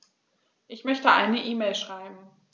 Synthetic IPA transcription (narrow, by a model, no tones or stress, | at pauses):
ʔɪçmœçtəʔa̰ɪnəʔiːmeɪlʃʁ̥aɪbm̩